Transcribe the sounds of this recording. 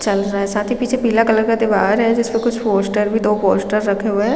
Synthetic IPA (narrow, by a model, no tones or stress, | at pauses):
t͡ʃɐlɾaaɦɛsãːt̪ʰipiːt͡ʃʰepiːlakɐləɾkad̪ɪʋaːɾɦɛd͡ʒɪspẽkʊt͡ʃʰpoːsʈəɾbʱid̪oːpoːsʈəɾːɐkʰeɦʊeɦ